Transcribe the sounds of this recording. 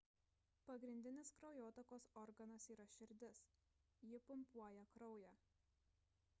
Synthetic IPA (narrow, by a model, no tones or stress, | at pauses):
pɐɡɾʲɪnʲd̪ʲɪnʲɪskɾɒʊjoːt̪ɐkoːsɔɾɡɐnɐsiːɾɐʃʲɪɾʲd̪ʲɪs | jɪpʊmpuɔjɛkɾɒʊjæː